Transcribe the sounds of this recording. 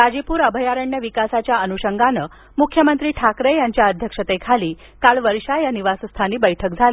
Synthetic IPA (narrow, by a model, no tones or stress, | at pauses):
ɾad͡ʑipuːɾəbʱəjaɾəɳjəʋikasat͡ɕjaənuɕəŋɡanə | mukʰjəmənt̪ɾiːʈʰakɾejaɲt͡ɕjaəd̪ʱjəkʂət̪ekʰaliː | kaɭʋəɾɕajaniʋasəst̪ʰaniːbəjʈʰək̚d͡zʱali